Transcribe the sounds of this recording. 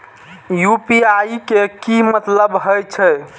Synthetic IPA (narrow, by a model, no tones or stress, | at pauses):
jupiajkekimət̪ləbɦəjt͡ʃʰɛ